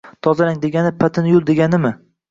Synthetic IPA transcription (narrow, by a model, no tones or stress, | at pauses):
t̪ʰɒzaɾaŋd̪e̞ɡʲanɪpʰat̪ʰɪnjʊlˠd̪eɡʲanɪmɪ